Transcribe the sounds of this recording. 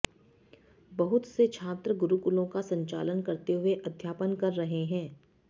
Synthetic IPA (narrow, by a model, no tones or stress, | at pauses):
bɐɦʊt̪set͡ʃʰaːt̪ɾəɡʊɾukʊlõkasɐ̃ɲt͡ʃa̰ːlənkɐɾt̪eɦʊeʔɐd̪ʱjaːpənkɐɾːɐɦeɦɛ̃ː